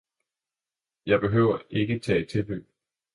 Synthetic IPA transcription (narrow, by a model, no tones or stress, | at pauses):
jɑ̈ɪb̥e̝ɦøʊ̰ɐʔe̝ɡ̥ət͡sʰɛ̰̥ːt͡sʰe̝lb̥ø̰ː